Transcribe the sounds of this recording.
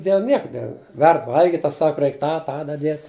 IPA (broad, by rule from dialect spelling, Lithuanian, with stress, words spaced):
dʲeːlˠ ˈnʲiɛkɐ ˈʋʲɛrt ˈʋɐlʲɡʲɪtʲ ˈtɐs ˈsɑːkɐ ˈrʲɛɪk ˈtɑː ˈtɑː dɐˈdʲiɛtʲ